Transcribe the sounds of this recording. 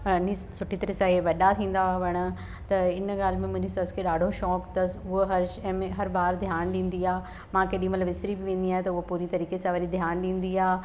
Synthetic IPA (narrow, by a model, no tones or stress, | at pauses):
ni | sʊʈʰit̪ɐɾesaːɦeʋɐɗat̪ʰĩːn̆d̪aʋɐɽ̃ə̆ | t̪ɐɪnɡaːlmẽmʊ̃ɦɲd͡ʑisɐskʰeɗaːɖʱoʃɔːkt̪ɐsʊɦoɦɐɾ̃ːmẽɦɐɾbaːɾd̪ʱjaːnɗĩːn̆d̪iaː | mãkeːɗĩmɐt̪ləbɪst̪ɾibɪʋẽːn̆d̪iaːɦet̪ɐʊɦopuːɾit̪ɐɾiːkesãʋɐɗid̪ʱjaːnɗĩːn̆d̪iaː